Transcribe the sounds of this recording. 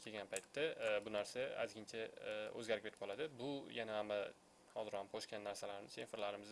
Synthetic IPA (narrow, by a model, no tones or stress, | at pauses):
kʰeɡʲanpʰajt̪ːabʊnaɾsaa̰zɡʲɪnt͡ʃʰaɵ̰zɡʲaɾɪkʲpeɾʰɪ̥pɒlad̪ɪbʊjanahamːa | hɒzɪɾhamqʰoʃkʲanːaɾsalaɾɪnɪsenfɾlaɾɪmɪz